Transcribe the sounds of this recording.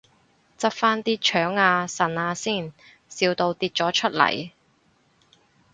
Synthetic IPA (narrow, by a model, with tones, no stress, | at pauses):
t͡sɐ˥p̚faː˥nt̪iː˥t͡ʃʰœː˨˥ŋaː˧sɐ˨˩naː˧siː˥˩n | siː˧wt̪o˧wt̪iː˧t̚t͡sɔː˨˥t͡ʃʰɵ˥t̚lɐ̰˨˩j